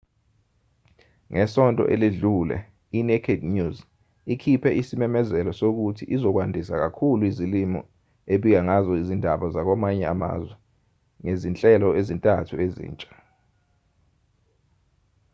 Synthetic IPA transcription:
ŋʔɛsɔntʼɔ̰ʔeliɮulɛ̰ | inɛkʰednuz | ikʰipʰɛʔisimɛmɛzɛlɔsok̬utʰiʔizɔk̬wandʱisak̬akʰuluizilimɔ̰ | eɓik̬aŋazɔizindʱaɓazak̬wamaɲɛa̰ma̰zwɛ | ŋezint͡ɬʼɛlɔezintʼatʰuezḭːnt͡ʃʼḁ

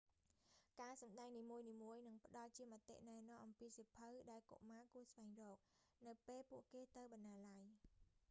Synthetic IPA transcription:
kaːsɑmɗaɛŋniːmuəjniːmuəjnɨŋpə̆ɗɑlt͡ɕiəmə̆t̪ːḛʔnaɛnɔ̆əmʔɑmpiːsipʰɨwɗaɛlko̰ʔmaːkuəsʋaɛŋrɔːk̚nɨwpeːlpuəʔkeːt̪ɨwɓɑnːaːlaj

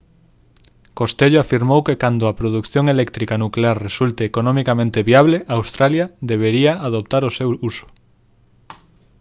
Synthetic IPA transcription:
kost̪eʎoafiɾmowkekand̪ʊapɾoðukθjoŋelɛk̚t̪ɾikanukleaɾresult̪eːkonõmikamẽnt̪eβiaβleʔaːwst̪ɾaljaðeβ̞eɾiaʔaðop̚t̪aɾosewusʊ̥

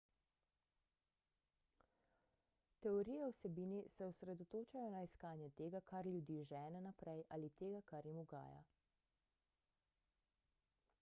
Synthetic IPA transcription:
t̪ɛɔɾijɛwsɛbiːnisɛɔsɾɛd̪ɔt̪oːt͡ʃajɔnaiskaːnjɛt̪eːɡakaɾlʲjud̪iːʒɛːnɛnapɾɛjʔalit̪eːɡakaɾjimuɡa̰ːja̰

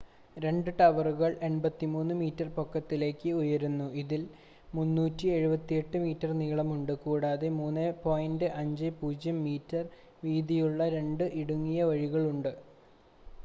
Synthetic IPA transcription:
ɾe̞ɳɖɨʈɐʋɐruɣɐɭe̞nbɐt̪ːimuːnːɨmiːtːɐrpo̞kːɐt̪ːile̞ːkːɨujɐɾunːuiðil | munːuːtːie̞ɻubɐt̪ːije̞ʈːɨmiːtːɐrniːɭɐmuɳɖɨkuːɽaːðe̞muːnːepoːjindɨʔɐɲd͡ʑɨpuːd͡ʑjɐmːiːtːɐr | ʋiːd̪ijuɭːɐɾe̞ɳɖɨʔiɽuŋːijɐʋɐɻiɣɐɭuɳɖɨ

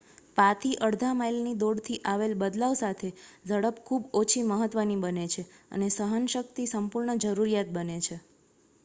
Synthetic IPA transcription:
pat̪ʰiʔəɽd̪ʱamailnid̪oɽt̪ʰiʔaʋelbəd̪laʋsat̪ʰed͡ʒʱəɽəpkʰubot͡ʃʰiməɦət̪ʋənibənet͡ʃʰeə̰nesəɦənʃək̚t̪isəmpuɾɳəd͡ʒəɾuɾijat̪̚bənet͡ʃʰe

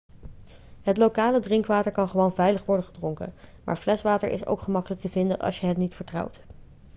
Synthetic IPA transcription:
ɦətlowkaːlədrɪŋkʋaːtəɹkɑnχəʋonvɛjləχʋɔɹdəχədrʊŋkə̰nma̰ːɹvlɛsʋaːtə̰ɹʔɪ̰so̰wkχəmɑkələk̚təvɪndənʔɑ̰lˠsjəɦətnitfəɹtrʌ̰wt

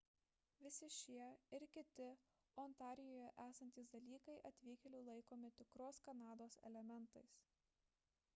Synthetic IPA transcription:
ʋʲɪsʲɪʃʲiɛɪɾkʲɪt̪ʲɪ | oːnt̪ɑːɾʲɪjoːjɛʔæːsɐnʲt̪ʲiːsd̪ɐlʲiːkɐɪʔɐt̪ʲʋʲiːkʲɛlʲuːlˠɐɪkoːmʲɪt̪ʲɪkɾoːskɐnɑːd̪oːsɛ̰lʲɛmʲɛnˑt̪ɐɪs

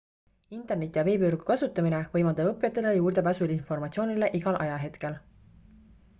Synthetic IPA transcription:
int̪ːˑe̞rnet̪ːˑjɑve̞ːbyrɡ̥ukɑsut̪ːˑɑmine̞vɤjmɑld̪̥ɑɤpːˑjɑt̪ːˑelejuːrd̪̥e̞pæːsulinfo̞rmɑt̪ʲsio̞ːnile̞ʔiɡɑlʔɑjɑɦe̞t̪ke̞l

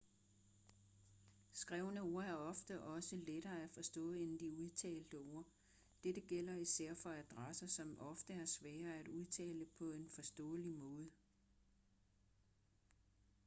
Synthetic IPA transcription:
sɡ̥ʁɛʊnəo̝ɐ̰æɐɒ̽fd̥əʔɒ̽səleɾ̥ɐːæfɒ̽sd̥ɔ̰̽ːe̝nd̥iuð̞ˠt͡sʰɛ̰ːld̥əo̝ɐ̰ | d̥eɾ̥əɡ̥el̰ɐisæɐ̰fɒ̽æd̥ʁasɐsɒ̽mʔɒ̽fd̥əæɐsʋɛːɐæd̥uð̞ˠt͡sʰɛ̰ːləpʰɒ̽e̝nfɒ̽sd̥ɔ̰̽ːlimɔ̽ːð̞ˠə

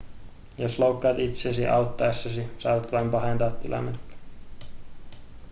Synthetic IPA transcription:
joslowkːɑːt̪it̪sesiʔɑwt̪ːɑesːɑsisɑiʋɑt̪ʋɑimpɑɦent̪ɑːt̪ːilɑ̰nːet̪ːɑ̥

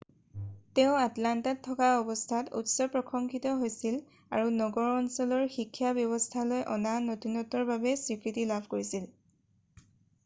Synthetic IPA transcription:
teʊ̃atlantatʰːɔkaɔbɔstʰatṵtsɔpɹɔkʰɔŋkʰitɔɦojsil | aɹunɔɡɔɹɔnsɔlɔɹxikʰːjabjɔβɔstʰalojʔɔnanotunɔtɔɹbabɛsɹikɹitilabʱkoɹisil

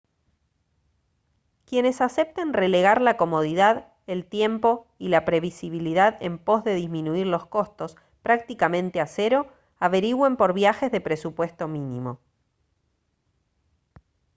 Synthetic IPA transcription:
kje̞ne̞sase̞p̚t̪enre̞le̞ɣaɾlako̞mo̞ð̞iðað | elt̪je̞mpo̞ | ilapɾe̞βisiβ̞iliðaðe̞̰mpo̞zðe̞ðizmĩnuiɾlo̞sko̞st̪o̞s | pɾak̚t̪ikamẽ̞nt̪ease̞ɾo̞ | aβe̞ɾiɣwempo̞ɾβjaxe̞zðe̞pɾe̞supwe̞st̪o̞minimo̞

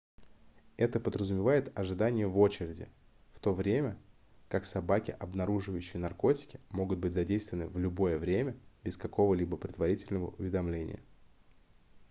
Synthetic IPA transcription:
ɛt̪əpəd̪ɾəzʊmʲɪvajɪt̪ɐʐɨd̪anʲɪjəvo̞t͡ɕɪɾʲɪdʲɪ̰ | ft̪o̞vɾʲemʲə | kaksɐbakʲɪ̰ʔɐbnɐɾuʐɨvəjʏɕːɪjənɐrko̞tʲɪ̥kʲɪ̥mo̞ɡʊt̪̚bɨtʲzɐdʲejst̪vʲɪnɨ̰vlʲʊbo̞jəvɾʲemʲəbʲɪskɐko̞vəlʲibəpɾʲɪd̪vɐɾʲitʲɪlʲnəvə̰ʔʊvʲɪd̪ɐmlʲenʲɪ̰jə̰

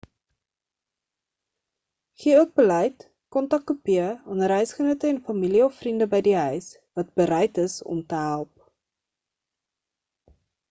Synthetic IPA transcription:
χiəuək̚bəlɛjt | kɔntɐkːupiəɑnəɾɛɥsχənətəɛnfɐmiliɔfːrindəbɛjdiɦœɥs | vɐt̚bəɾɛjtəsɔ̰mtəɦælˠp̚

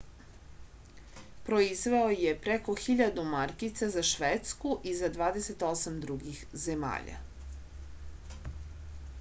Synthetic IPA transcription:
pɾo̞izʋe̞oje̞pɾeko̞xiʎad̪umaɾkit̪sazaʃʋet̪skuʔizad̪ʋaːd̪eset̪o̞samd̪ɾuɡixzema̰ːʎa̰

